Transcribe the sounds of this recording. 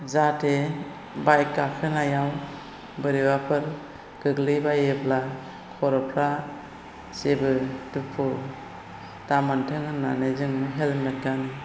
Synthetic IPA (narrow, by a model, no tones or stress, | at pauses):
zatʰe | bajkːakʰɯnajaw | bɯɾiwapʰɯɾ | ɡ̥ɯɡlibajebla | kʰɔɾɔpʰɾa | sebɯtupʰɯ | tamantʰɯŋɯnanezɯŋɯɦelmet̚ɡani